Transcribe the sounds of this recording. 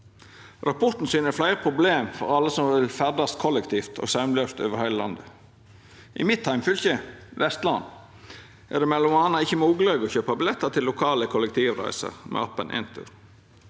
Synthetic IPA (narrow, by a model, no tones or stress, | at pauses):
ɾɑpʰɔɾt̪n̩syːnəflæɪɾəpʰɾʊbleːmfɔ̰ɾɑlːəsɔmʋɪlfæʁd̪ɑst̪kʰɔlːɛkt̪ʰiːft̪ʰo̰ːɡsɑʉmløːst̪ø̰ːʋəɾhæɪləlɑ̰nd̪ə | ʔɪ̰mɪt̪ʰːæɪmfʏlçəʋɛst̪lɑn | ʔæ̰ʁd̪ɛːmɛlːʊmɑːnɑɪçːəmuːɡlɑɡɔːçøːpɑbɪlɛt̪ːət̪ʰɪlːʊkʰɑːləkʰʊlək̚t̪ʰiːʋɾæ̰ɪsə̰ɾmʔɛ̰ːɑpːənʔɪ̰nt̪ʰʉ̰ɾ